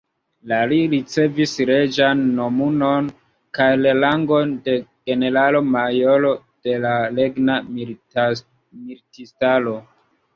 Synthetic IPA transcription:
laliɾit͡se̞visɾe̞d͡ʒanːo̞muno̞n | kajlalaŋɡo̞nde̞ɡ̥e̞ne̞ɾalo̞majolo̞ | d̥e̞lale̞ɡna | miɾtistalo̞

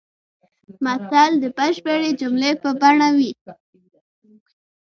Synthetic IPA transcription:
masald̪əpaʃbeɽed͡ʒʊmlepəbaɳawi

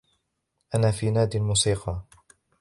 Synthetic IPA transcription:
ʔanaːfiːnaːd̪ilmuːsiːqɑ

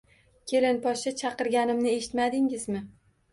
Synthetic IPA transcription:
kʲʰe̞lɪnpɒʃɪt͡ʃʰɑqɨɾɡʲanɪmnɪe̞ʃɪt̪mad̪ɪŋɪzmɪ

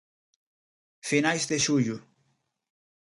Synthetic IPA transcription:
finajzðeʃuʎu

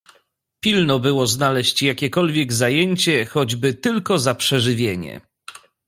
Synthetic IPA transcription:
pʲilnɔbɘwɔznalɛɕt͡ɕjakʲɛkɔlvʲjɛɡzajeɲt͡ɕɛxɔd͡ʑbɘt̪ɘlkɔzapʂɛʐɘvʲjeɲɛ̰

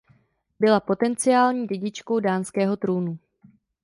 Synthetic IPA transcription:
bɪlapo̞t̪ɛnt͡sɪjaːlɲiːɟɛɟɪt͡ʃko̞wdaːnskɛːɦo̞t̪ɾuːnu

